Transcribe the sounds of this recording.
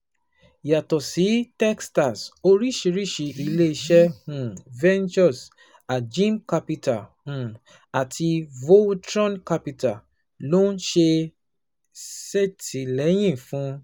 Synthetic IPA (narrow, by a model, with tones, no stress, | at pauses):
ja˨tɔ˨si˨˦tɛ˦ksta˨so˧ɾi˦˨ʃi˧ɾi˦˨ʃi˨˧ʔi˧le˦i˧ʃɛ˦hũ˨vɛ̃˦nd͡ʒɔ˦˨s | a˨d͡ʒĩ˦mka˧pi˧ta˨hũ˨ | a˨tʰi˧vo˦tɾɔ̃˦nka˧pi˧ta˨ | lo˦n̩˦ʃe˧ | sɛ˦ti˨lɛ˨˦j̃ĩ˦˨fũ˨˦